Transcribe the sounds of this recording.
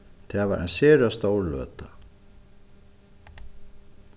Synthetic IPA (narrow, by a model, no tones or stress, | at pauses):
θɛva̰ɾʔɛ̰nsɛːɾast̪oːwɾlœ̰ːt̪a